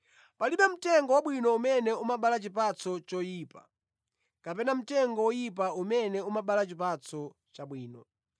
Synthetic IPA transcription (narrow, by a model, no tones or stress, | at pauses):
paliɓɛm̩tɛŋɡɔwaɓwinɔumɛnɛumaɓalat͡ʃip̬at͡sɔt͡ʃɔjiːpa | kapɛnam̩tɛŋɡɔwɔjip̬aumɛnɛumaɓalat͡ʃipat͡sʰɔ | t͡ʃaɓwiːnɔ̰